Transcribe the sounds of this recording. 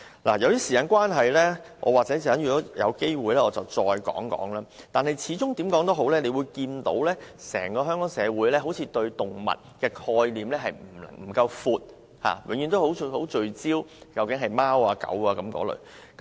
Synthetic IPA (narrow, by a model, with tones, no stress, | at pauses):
laː˨˩jɐ˨˧wj̪iː˥siː˨kaː˨˧˥nkwaː˥nɦɐ˨jlɛː˥ʔɔ̰ː˨˧waː˨k̚t͡sɛː˨˥jiː˨˩aː˨˥njyː˨˩kɔː˨˥jɐ̰˨˧wke˥jwuː˨jlɛː˥ɔː˨˧t͡sɐ˨wt͡sɔː˧jkɔ̰ː˨˥ŋkɔ̰ː˨˥ŋlaː˥t̪aː˨nɦɐ˨jt͡sʰiː˨˧˥t͡sʊ˥ŋt̪iː˨˥mkɔː˨˥ŋt̪o˥ɦo˨˥wlɛː˥ne˨˧jwuː˨˧jkiː˧nt̪o˨˥wlɛː˥sɛː˨˩ŋkɔː˧ɦœː˥ŋkɔː˨˥ŋsɛː˨˧wuː˨˥jlɛː˥ɦo˨˥wt͡sʰiː˧t̪ɵ˧ɥt̪ʊ˨ŋmɐ̰˨t̚kɛː˧kʰɔː˧jliː˨mlɛː˥ɦɐ˨˩jmm̩˨˩lɐ̰˨˩ŋm̩˨˩kɐ˧wfuː˧t̚ | ha̰ː˨wɪ˨˧ŋjɥy˨˧nt̪o˥who˨˥who˨˥wt͡ʃɵ˧ɥt͡siː˥wkɐ˧wkɪ˨˥ŋɦɐ˨˩jmaː˥waː˧kɐ̰˨˥waː˧kɐ˨˥mkɔ̰ː˨˧˥lɵ̰˨ɥ | kɐ˦